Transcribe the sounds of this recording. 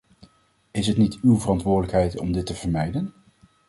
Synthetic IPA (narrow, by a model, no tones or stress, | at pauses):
ɪsɦətnitywvərɑntʋʊːɹdələkɦɛjtɔmdɪtəvəɹmɛjdən